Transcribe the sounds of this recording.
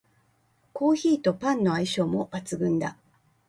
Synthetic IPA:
ko̞ːçiːt̪o̞pãnːo̞aiɕo̞ːmo̞b̥at͡sɨɡɯ̟̃nd̪a

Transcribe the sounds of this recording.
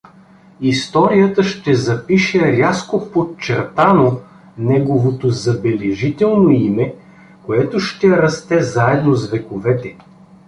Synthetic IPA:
ist̪ɔɾijət̪əʃt̪ɛzɐpiʃɛɾʲaskopott͡ʃɛɾt̪ano | nɛɡovot̪ozɐbɛlɛʒit̪ɛlˠnoimɛ | koɛt̪oʃt̪ɛɾɐst̪ɛzaɛd̪nozvɛkovɛt̪ɛ

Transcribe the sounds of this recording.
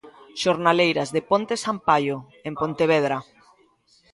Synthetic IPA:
ʃoɾnalejɾazðepont̪esampaʎo | empont̪eβeðɾa

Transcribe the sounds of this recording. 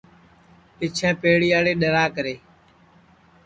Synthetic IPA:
pɪt͡ʃʰãːpeːɽiːaːɽeːɗəɾaːkəɾeː

